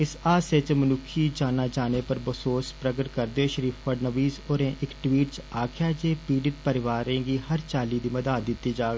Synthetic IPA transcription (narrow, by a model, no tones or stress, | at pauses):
ɪsaːset͡ʃmənʊkʰiːd͡ʒaːnaːd͡ʒaːneːpəɾbəsoːspɾəɡəʈkəɾd̪eoʃəɾiːpʰpəɖnəʋiːzoːɾẽːʔɪkʈʋiːʈt͡ʃaːkʰjaːd͡ʒeːpiːɖɪʈ̚pəɾɪʋaːɾẽːɡiːɦəɾt͡ʃaːliːd̪iːməd̪aːt̪̚d̪ɪt̪ːiːd͡ʒaːɡ